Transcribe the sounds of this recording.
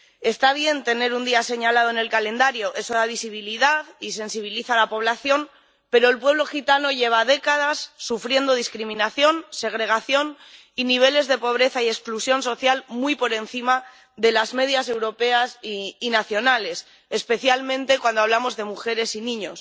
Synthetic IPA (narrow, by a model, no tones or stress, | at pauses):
e̞st̪aβ̞je̞nt̪e̞ne̞ɾund̪iase̞ɲalað̞oene̞lkalẽ̞nd̪aɾjoʔe̞so̞ðaβisiβiliðaðise̞nsiβ̞iliθalapo̞βlaθjo̞m | pe̞ɾo̞elpwe̞β̞lo̞xit̪ano̞ʝe̞β̞aðe̞kaðasːufɾje̞nd̪oð̞iskɾimĩnaθjo̞nse̞ɣ̞ɾe̞ɣ̞aθjo̞n | iniβ̞e̞le̞zðe̞po̞β̞ɾe̞θaie̞ksklusjo̞nso̞θjalmujpo̞ɾe̞nθima | ðe̞lazme̞ðjase̞wɾo̞pe̞asːnaθjo̞nale̞s | espe̞θjalmẽnt̪e̞kwand̪oaβ̞lamo̞zðe̞muxe̞ɾe̞sinĩɲo̞s